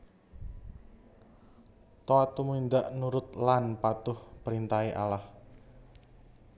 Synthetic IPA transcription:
t̪oat̪umuind̪aʔnuɾʊt̪̚lanpat̪ʊhpəɾint̪aiʔalah

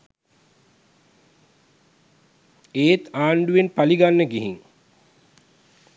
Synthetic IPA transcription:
eːt̪aːɳɖuʋenpaliɡanːəɡiɦiŋ

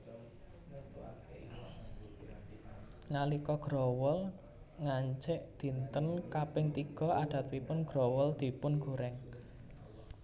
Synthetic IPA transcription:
nalikɔɡ̥ɾɔwʊl | ŋaɲt͡ʃɪʔd̪̥i̤nt̪ənkapɪŋt̪iɡ̥ɔ̤aɖ̪̥a̤t̪̚pipʊnɡ̥ɾɔwʊld̪̥i̤pʊnɡ̥uɾɛŋ

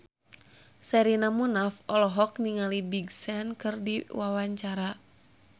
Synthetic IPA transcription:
sɛɾinamunafɔlɔɦɔk̚niŋalibiɡsɛnkɨrdiwawaɲt͡ʃaɾa

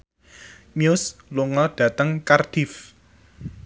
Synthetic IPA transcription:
miʊsluŋɔɖ̥ä̤t̪əŋkard̪̥if

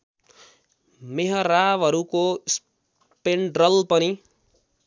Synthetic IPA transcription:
meɦʌɾaʋɦʌɾukos | peɳɖɾʌlpʌni

